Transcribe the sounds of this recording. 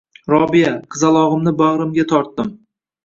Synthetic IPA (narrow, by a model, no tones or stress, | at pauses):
ɾɒbijaqʰɨzalˠɒʁɨmnɪbaʁɾɨmɡʲat̪ʰɒɾt̪ːɪm